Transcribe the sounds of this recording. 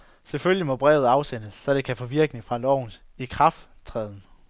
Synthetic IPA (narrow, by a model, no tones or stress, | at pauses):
seføljimɒ̽b̥ʁɛːʊð̩ˠɑ̈ʊsenəsːɒ̽ɾ̥e̝kʰæfɒ̽ʋiɐɡ̥nifʁɑ̈lɒʊ̰n̩ | ikʰʁɑ̈fd̥ | t͡sʰʁɛːð̞ˠn̩